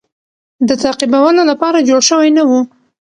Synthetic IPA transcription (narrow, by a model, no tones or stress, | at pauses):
d̪ət̪aqibawəlolapɑɾad͡ʒoɽʃəwajnawu